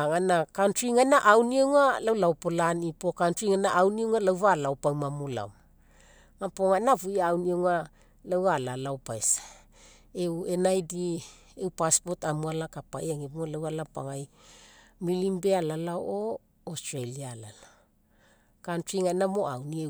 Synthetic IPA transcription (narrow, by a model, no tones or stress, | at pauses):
ŋanakantɾiŋanaʔawniewŋalawlawpolanipokantɾiŋanaʔawniewŋalawvalaopawmamula̰wm | ŋapoŋanavujaːwniewŋa | lawalalawpaesḁ | ewe̞najdi | ewpaspo̞tamualakapajaŋebuŋalawalapa̰ŋaj | milimbealalaoʔo | ostɾalialala | kantɾiŋanamo̞a̰wnie